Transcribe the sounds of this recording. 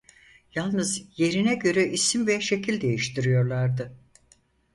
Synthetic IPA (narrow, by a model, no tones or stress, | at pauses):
jalˠnɯzje̞ɾinɛɟø̞ɾɛʔisimvɛʃe̞cʰilʲd̪e̞jiʃt̪ʰiɾijo̞ɾlˠaɾd̪ɯ